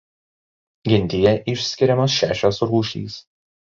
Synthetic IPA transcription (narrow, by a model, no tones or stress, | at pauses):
ɡʲɪnʲd̪ʲɪjɛʔɪʃʲsʲkʲɪɾʲɛmoːsʃʲæ̰ːʃʲoːsɾuːʃʲḭːs